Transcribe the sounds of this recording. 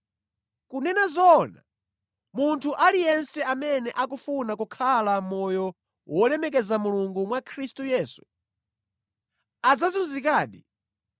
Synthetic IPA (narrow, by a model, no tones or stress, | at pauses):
kunɛnazɔna̰ | muntʰuʔalijɛnsɛamɛnɛʔakufunakukʰalamɔjɔ | wʔɔlɛmɛk̬ɛzamuluŋɡumwakʰɾistujɛːsu̥ | ad͡zazunzikaːɗḭ